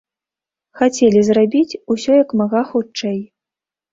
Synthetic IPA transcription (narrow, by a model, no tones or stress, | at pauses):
xat͡sʲɛlʲizrabʲit͡sʲusʲɔjɐkmaɣaxut͡ʂɛj